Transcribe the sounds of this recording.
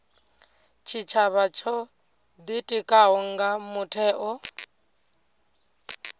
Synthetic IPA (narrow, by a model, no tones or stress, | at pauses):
t͡ʃʰit͡ʃʰaβat͡ʃʰɔ | d̪itʼikʼaɦɔŋɡamutʰɛːʔɔ